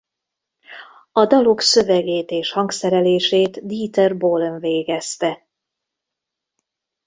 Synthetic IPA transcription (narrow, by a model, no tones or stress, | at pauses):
ɒd̪ɒloksø̞vɛɡeːt̪eːʃhɒŋɡsɛɾɛleːʃeːt̪d̪iːt̪ɛrboːlnveːɡɛst̪ɛ